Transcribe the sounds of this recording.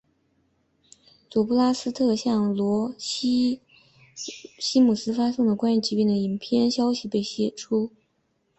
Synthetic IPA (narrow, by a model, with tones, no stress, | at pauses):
t͡swɔ˨˩pu˥˩la˥sɹ̩˥t̪ʰɤ˥˧ɕjɑ˥˩ŋlwɔ˧˥ | ɕi˥mu˨˩sɹ̩˥fa˥sʊ˥˩ŋd̪ə˩kwa˥ny˥˩t͡ɕi˥pi˥˩nd̪ə˩i˨˩npʰjɛ˥˧nɕjɑ˥ʊɕi˨pe˥˩ɪɕjɛ˨˩ʈ͡ʂʰu˥